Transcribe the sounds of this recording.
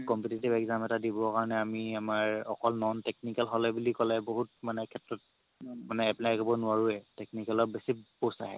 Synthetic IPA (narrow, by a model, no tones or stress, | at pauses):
kɔmpetitibɛkzamɛtadibɔkaɹɔnɛamiamaɹɔ̰kɔlnɔntɛk̚nikɛlɦɔlɛbulikɔlɛboɦut̚manɛkʰɛtɹɔt̚ | manɛapnaaɡibɔnʊaɹuɛteknikalɔk̚besiposa̰ɦɛ̰